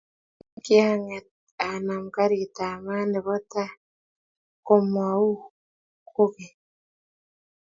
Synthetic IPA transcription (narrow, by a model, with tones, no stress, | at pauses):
ki˦aŋa | ana˨muka˦ɾitaː˨maː˦ndi˨βo˦ta˦ | komwau˦ | ku˦βe